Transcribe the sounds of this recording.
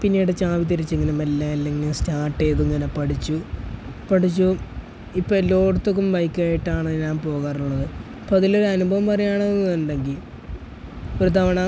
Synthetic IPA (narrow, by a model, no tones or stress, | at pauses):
pinːiɽɨt͡ɕaːʋit̪̬iɾit͡ɕːeŋːɐnemelːɐlːeŋːinestaːʈːe̞ːt̪uiŋːɐnepɐʈit͡ɕːupɐʈit͡ɕːu | ipːolo̞ːɖt̪ːok̬ːumbɐjkːaːjiʈːaːɳɲaːnpo̞ːɣaːruɭːɐðɨ | ɐpːoːɐðilo̞ɾuɐnubʱɐʋɐmpɐrɐjaːɳɐnːɨt̪ɐnːɖe̞ŋɡil | oɾut̪ɐʋɐɳaː